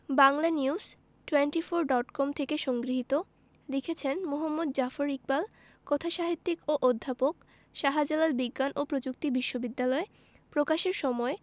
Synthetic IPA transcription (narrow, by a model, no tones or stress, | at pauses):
baŋlaniuz | ʈweɳʈifoɾɖɔʈkɔmt̪ʰekeʃɔŋɡɾiɦit̪o | likʰet͡ɕʰenmoɦomːod̪̚d͡ʑafoɾik̚bal | kɔt̪ʰaʃaɦit̪ːikoʔod̪ʱːapok̚ | ʃaɦad͡ʑelalbiɡːanʔopɾod͡ʑuk̚t̪ibiʃːobid̪ːalɔe | pɾokaʃeɾʃɔmɔe